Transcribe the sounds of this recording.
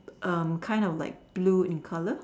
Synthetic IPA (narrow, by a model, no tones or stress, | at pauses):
ʔʌ̃mkʰãɪ̃ndɔfla̰ɪk̚b̥luɪ̃nkʰalə